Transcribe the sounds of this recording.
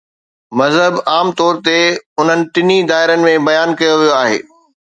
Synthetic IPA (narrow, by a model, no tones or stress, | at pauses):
mɐzɦəbaːmt̪ɔːɾt̪eʊn̤ənɪ̆ʈɪnid̪aːɦɪɾənɪ̆mẽbɐjaːnkɐjoʋijoaːɦḛː